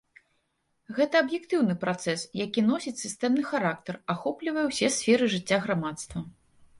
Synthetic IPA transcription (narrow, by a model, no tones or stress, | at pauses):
ɣɛt̪ɐɐbjɛkt̪ɨwnɨpɾat̪sɛsjakʲinɔsʲit͡sʲsʲɨst̪ɛmnɨxaɾak̚t̪ɐraxɔplʲivɐjɛwsʲɛsʲfʲɛɾɨʐɨt͡sʲːaɣɾamat̪st̪vɐ